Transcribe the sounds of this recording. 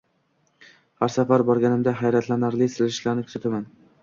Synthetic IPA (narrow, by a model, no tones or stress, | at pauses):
haɾsafaɾbɒɾɡʲanɪmd̪aɦajɾat̪ʰlanaɾlɪsɪlɪʃlaɾnɪkʲʰʊz̥at̪ʰaman